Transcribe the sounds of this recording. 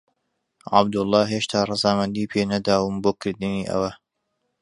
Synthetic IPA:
ʕɑ̰bd̪ʊlˠːɑːɦeːʃt̪ʰaːrˤɨzaːmɐnd̪iːpʰeːnɐd̪aːwʊmboːkʰɨɾd̪ɨniːʔɐ̰wɐ

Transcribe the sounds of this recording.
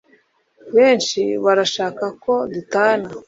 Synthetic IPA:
βeːnʃiβaɾaʃaːkako̞dutaːna

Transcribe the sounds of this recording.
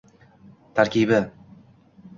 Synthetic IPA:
t̪ʰaɾkʲibɪ

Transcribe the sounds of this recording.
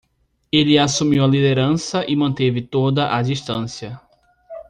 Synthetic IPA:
elɪasumiwɐlid̪eɾɐ̃sɐʔɪmɐ̃nt̪evɪt̪od̪ɐʔad͡ʒiʃt̪ɐ̃sjɐ

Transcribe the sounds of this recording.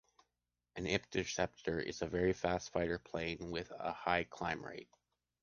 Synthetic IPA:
ɨ̃nɪp̚tʰɨ̥sɛp̚tʰə˞ʔɪ̰zəvɛɹifæstfaɪɾə˞pʰl̥ẽɪ̃nwɪðə̰haɪkʰl̥ãɪ̃mɹḛɪt̚

